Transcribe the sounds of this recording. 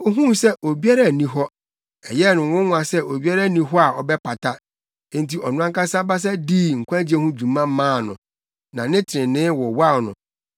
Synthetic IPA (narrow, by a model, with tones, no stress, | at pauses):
o˦ɦũ˦sɛ˦ʔo˨bi˦a˦ɾa˦˨nĩ˦ɦɔ˦ | ɛ˨jɛ˦nʊ̃˨wʊ̃˦nʊ̃˦˨a˨sɛ˦ʔo˨bi˦a˦ɾa˦˨nĩ˦ɦɔ˦a˨ʔɔ˨bɛ˦pʰa˨tʰã˦ | ntʰi˨ʔɔ˨nʊ̃˦ã˦ka˦sa˦ba˦s̬a˦diː˦˨ŋ̩˨kʷʰã˦d͡ʑi˦e˦hũ˦d͡ʑũ˨mã˦m̩˦mãː˦˨nʊ̃˨ | nã˨nɪ̃˦tʰɪ˨ɾɪ̃˨nɪ̃˦wɔ˨wa˦˨nʊ̰̃˨